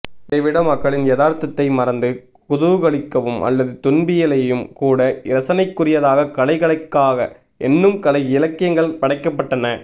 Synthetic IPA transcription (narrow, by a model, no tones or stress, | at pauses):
ɪɐɪʋɪɽɐmɐkːɐɭɪnjɐðaːɾt̪ɐt̪ːɐɪmɐɾɐnd̪ɯ | kʊðʊʋɯɣɐɭɪkːɐʋɯmʔɐ̰lːɐðɯt̪ʊnbɪjɐlɐjɯmkuːɽɐɪɾɐsɐnɐɪkːʊrɪjɐðaːɣɐkɐlɐɪɣɐɭɐɪkːaːɣɐ | ʔɛnːɯmkɐlɐɪɪlɐkːɪjɐŋɡɐɭpɐɽɐɪkːɐpːɐʈːɐnɐ